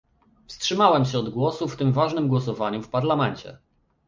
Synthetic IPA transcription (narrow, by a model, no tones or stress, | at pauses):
fstʂɘmawɛmɕɛɔd̪ɡwɔsuft̪ɘmvaʐnɘmɡwɔsɔvaɲufpaɾlamɛɲt͡ɕɛ̰